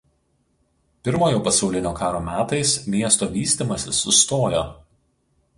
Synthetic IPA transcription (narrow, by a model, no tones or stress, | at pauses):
pʲɪɾmoːjoːpɐsɒʊlʲɪnʲoːkɑːɾoːmʲæːt̪ɐɪsmʲiɛst̪oːʋʲiːsʲt̪ʲimɐsʲɪsːʊst̪oːjoː